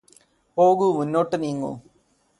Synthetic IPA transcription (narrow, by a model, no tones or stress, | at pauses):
poːɣumunːoːʈːɐniːŋɡõ̰